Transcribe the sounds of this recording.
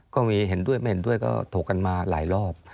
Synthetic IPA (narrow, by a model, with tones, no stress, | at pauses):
kɔː˥˩miː˧ɦe˨˩˦ndu˥˩əjma˥˩jhe˩˦ndu˥˩əjkɔ̰ː˥˩t̪ʰoː˨˩kːa˧nmaː˧laː˩˦jlɔː˥˩p̚